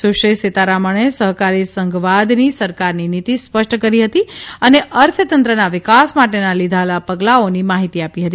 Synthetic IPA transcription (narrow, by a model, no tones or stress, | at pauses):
suʃeset̪aɾaməɳ̃esəɦkaɾisəŋɡʋad̪nisəɾkaɾninit̪ispəʃʈkəɾiɦət̪iəneʔəɾt̪ʰət̪ənt̪ɾənaʋɪkasmaʈenalid̪ʱalapəɡlaonimaɦit̪iapiɦət̪i